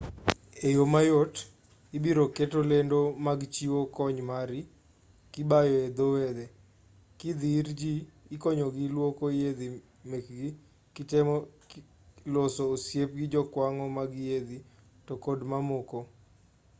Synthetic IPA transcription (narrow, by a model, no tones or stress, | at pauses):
ejomajot | ibiɾoketolendomaɡt͡ʃiwokɔɲmaɾi | kɪbajɔed̪owed̪e | kid̪iɾd͡ʒiːkɔɲoɡilwokojed̪i | mekɡɪ | kɪtɛmɔ | losoːsjep̚ɡɪd͡ʒɔkwaŋɔmaɡjed̪i | tɔkɔdmamoko